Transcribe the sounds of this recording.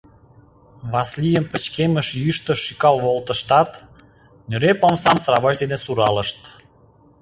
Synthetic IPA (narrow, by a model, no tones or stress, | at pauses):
βɑslijəmpə̆t͡ɕkeməʃjyʃt̪ə̆ʃːikɑlβolt̪ə̆ʃt̪ɑt̪ | nøɾepomsɑmsrɑβɑʃd̪enesuɾɑləʃt̪